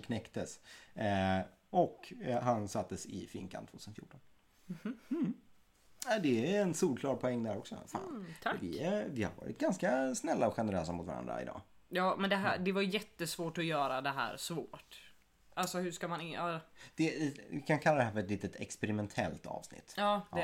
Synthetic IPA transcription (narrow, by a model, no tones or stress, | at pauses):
kʰnɛkt̪əs | ɔkɦansat̪ʰːəsɪ̰fɪ̰ŋkʰa̰nt̪voːt̪ʰʉsnfjṵːʈʰːɔn | m̩ | ad̪ɛɛnsuːɾkʰlɑːɾpʰɔɛŋːd̪æɾɔksɔ̰fa̰ːnʰvɪɛvɪha̰ɾvɑ̰ːɾɪ̰t̪̚ɡanskasnɛlːaɔɧɛnəɾøːsamʊt̪vaɾa̰nd̪ɾa̰ɪ̰d̪ɑ̰ː | jɑːmɛnd̪ɛɦæ̰ɖɛvaɾjjɛt̪ːəsvoːʈɔjœːɾad̪ɛɦæ̰ːɾsvoːʈ | ʔalsɔhɵʂkamanɪɑd̪̥ɛɪkʰankʰalːad̪ɛɦæɾfœɾɛt̪liːt̪ət̪ɛkspɛɾɪmɛnt̪ʰɛ̰lt̪ɑ̰ːvsnɪ̰t̪ːjɑːdɛ